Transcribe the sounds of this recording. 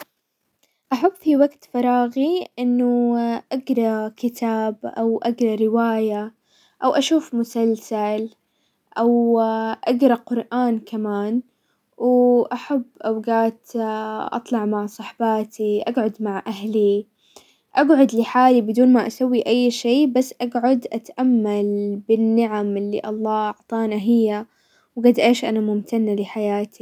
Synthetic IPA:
ʔaħabːfiwaɡt̪fɑɾˤɑːɣiʔɪnːʊʔaɡɾˤɑkɪt̪ʰaːbʔa̰wʔaɡɾˤɑɾɪwaːja | ʔawʔaʃuːfmʊsalsal | ʔawʔaɡɾˤɑqʊɾˤʔaːnkamaːn | wʔaħabːʔawɡaːt̪ʔɑ̰t̪ˤlɑʕmaʕsˤɑħbaːt̪ʰiʔaɡʕʊd̪maʕʔaɦli | ʔaɡʕʊd̪lɪħaːlibɪd̪uːnmaʔasawːiʔajːʃeːbasːʔaɡʕʊd̪ʔat̪ʔamːalbɪnːɪʕamɪlːḭʔɑlˤːɑːʔɑʕt̪ˤɑːnaɦɪjːa | wɡad̪ʔeːʃʔanamʊmt̪anːalɪħajaːt̪ʰi

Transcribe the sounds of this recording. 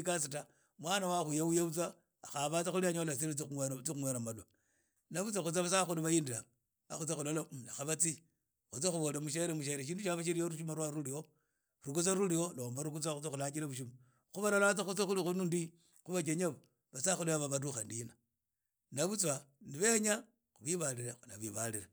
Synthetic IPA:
kas̬ita | mwaːnawaxujaujaβut͡swaː | xaβat͡saxuliaɲolat͡siɾit͡siuet͡sixuŋweɾamala | naβut͡swaxut͡saβasaxuliβajindia | a̰xut͡sexulolaaxaβat͡si | xut͡sexuβolemuʃ̬eɾemuʃ̬eɾeʃ̬iːnduʃaβaʃ̬iɾijoɾuʃumaɾwaɾulio | ɾukut͡saɾulioloːmbaɾuk̬ut͡swaxut͡sexulakiɾaβuʃ̬uma | xuβalolat͡saxut͡sexulixunundi | xuβak̬eɲaβo | βasaxuliβaβaβaɾuxandina | naβut͡swaniβeɲa | xuβiβaliɾexunaβiβaliɾe

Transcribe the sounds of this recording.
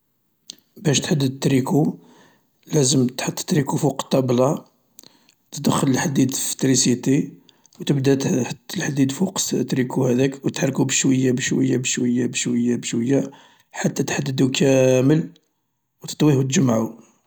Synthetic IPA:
bæʃt̪ħad̪ːəd̪̚t̪ːɾiku | læzəmt̪ħət̪ˤːt̪ɾikufuqt̪ːɑblɑ | t̪əd̪əxːələlħad̪ːid̪fə̥t̪ɾisit̪i | wt̪əbd̪æt̪ħlħad̪ːid̪fuqt̪ɾikʰuhæd̪ækwt̪ħrˤkubəʃwəjːabəʃwəjːabəʃwəjːabəʃwəjːabəʃwəjːa | ħat̪ːæt̪ħad̪ːəd̪ukæməl | wt̪ə̥t̪ˤwihwt̪̬ʒəmʕu

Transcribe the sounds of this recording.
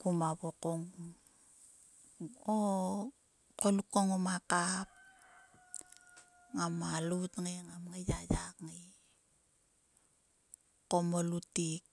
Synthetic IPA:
kumaβokoŋ | o | kolukoŋomakap̚ | ŋamalutŋeŋamŋejajakŋe | komolutik̚

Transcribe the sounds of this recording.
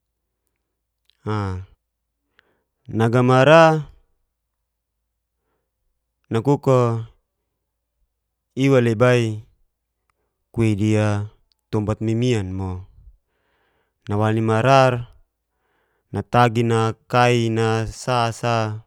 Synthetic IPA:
a | naɡamaɾa | nakuko | iwalebai | kuedia | t̪ɔmbat̪̚mimianmɔ | nawanimaɾar | nat̪aɡinakainasasa

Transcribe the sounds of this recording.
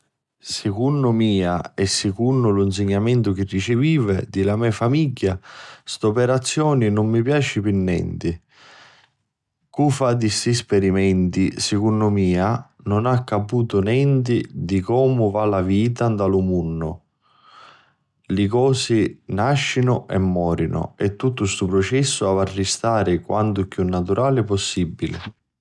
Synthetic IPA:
sɪkunːʊmiːaɛsːɪkunːʊluns̬eɲːamɛnt̪ʊk̟ɪrːit͡ʃɪviːvɛd̪ilamɛfamiɟːast̪opɛɾat̪sːjɔːninʊmːipjaːt͡ʃɪpinːɛ̰nt̪ɪ | kufad̪ist̪ispɛɾimɛnt̪isɪkunːʊmiːa | nʊnakːapuːt̪ʊnɛnt̪̬id̪ikɔːmʊvalaviːt̪̬and̪alʊmunːʊ̰ | lɪkɔːsɪnaʃːinʊʔɛ̰mːɔːɾinʊ̰ɛt̪ːut̪ːʊst̪upɾʊt͡ʃɛsːʊavarːist̪aːɾɪkwʔant̪ʊkːjunːat̪̬uɾʔaːlɪpɔsːibːilɪ̰

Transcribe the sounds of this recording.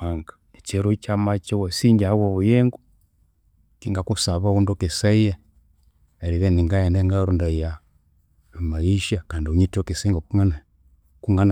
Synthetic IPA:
aŋɡḁ | et͡ʃeɾut͡ʃamat͡ʃewosiɲd͡ʒahawoβujɛŋɡu | kiŋɡakusaβaβundokesaija | eɾiβeniŋɡaendeŋɡaɾundaija | maiʃakandiuɲitokesaiŋɡokuŋana | kuŋɡana

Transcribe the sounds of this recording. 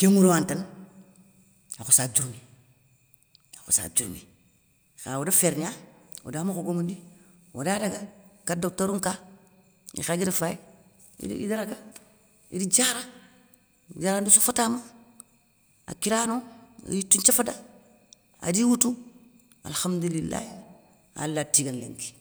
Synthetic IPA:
kemuɾuwantan | axosad͡ʒuɾmi | axo̰sa̰d͡ʒuɾmḭ | xa̰wodafeɾɲawo̰daːmakoɡoŋundi | wo̰daːdaɡakadotaɾuŋka | ḭxaɡidafaj | ḭḭdaɾaɡa | ḭdid͡ʒaːɾa | d͡ʒaɾandusofatama | a̰kiɾaːno̰jitːuɲt͡ʃafada | a̰diːwutu | a̰lxamdulilːa̰i | a̰lːatiɡanlḛŋki̥

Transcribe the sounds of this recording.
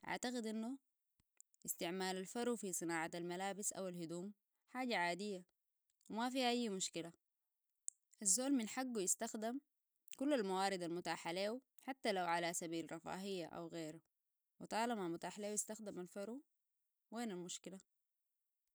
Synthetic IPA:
ʔa̰ʕt̪aqid̪ʔinːu | ʔɪst̪ɪʕmaːlalfɑɾufisˤɨnaːʕaalmalaːbisʔa̰walhud̪uːm | ħaːɟaʕaːd̪ijːa | wimafiːhaʔajːmʊʃkila | ʔazːoːlminħaɡːujist̪axd̪am | kulːalmawaːɾid̪almʊt̪aːħaleːw | ħat̪ːalawʕalasabiːlɾˤɑfa̰ːɦɪjːaʔa̰wɣeːɾa | wit̪ˤɑːlɑmamʊt̪aːħleːwjist̪axd̪imalfɑɾu | weːnalmʊʃkila

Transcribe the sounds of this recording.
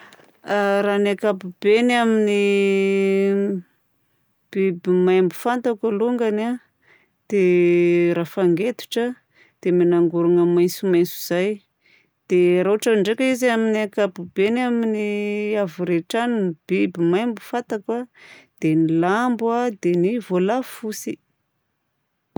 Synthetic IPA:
aɾanakapubenamini | b̥ibimajmbufant̪akaluŋɡana | d̪̥eɾafaŋɡet̪u̥ʈ͡ʂə | d̪̥eminaŋɡuɾuŋəmajnsumajnt͡su̥z̥aj | d̪̥eɾaɦaʈ͡ʂaɳɖ͡ʐekʲəizaminakabubenaminiavuɾeʈ͡ʂanib̥ibimajmbufant̪akad̪̥enilambad̪enivolafusi

